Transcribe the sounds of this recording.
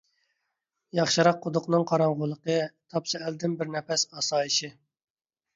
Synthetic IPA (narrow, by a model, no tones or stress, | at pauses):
jɑχʃɨɾɑqʰːʊd̪ʊqnɨŋqʰɑɾɑŋʁʊlˠəqət̪ʰɑpsɨæld̪ɪnbɪɾnɛfɛsɑsɑːjiʃi